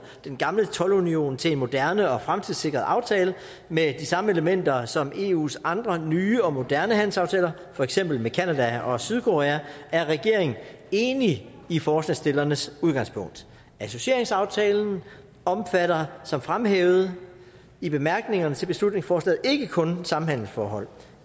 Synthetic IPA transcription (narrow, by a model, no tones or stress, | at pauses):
d̥enɡ̥ɑ̈mlət͡sʰɒ̽lunio̝̰ːnt͡sʰe̝lenmo̝d̥æɐnəɒ̽fʁamt͡sʰiðˠse̝ɡ̥ʁɐð̩ˠʔɑ̈ʊt͡sʰɛːlə | med̥isɑ̈məeləmen̰d̥ɐsɒ̽mʔe̝ːṵːsɑ̈nd̥ʁɐnyːɒ̽mo̝d̥æɐnəhæn̰l̩sɑ̈ʊt͡sʰɛːlɐ | fɒ̽eɡ̥sem̰b̥l̩mekʰænæd̥æɒ̽syð̞ˠkʰo̝ʁɛːææɐʁɛɡ̥e̝ɐ̰e̝ŋn̩e̝ːni | ifɒːslɛsd̥e̝lɐnəsuð̞ˠɡɑ̈ŋspʰɔ̽ŋ̰d̥ | æso̝ɕie̝ɐe̝ŋsɑ̈ʊt͡sʰɛːln̩ | ɒ̽mfæɾ̥ɐsɒ̽mfʁamɦeːʊð̩ˠ | ib̥e̝mæɐɡ̥ne̝ŋɐnət͡sʰe̝lb̥e̝slud̥̚ⁿne̝ŋsfɒːslɛ̰ːð̩ˠe̝ɡ̥əkʰɔ̽nsɑ̈m̩hæn̰l̩sfɒ̰ːɦɒ̽l̰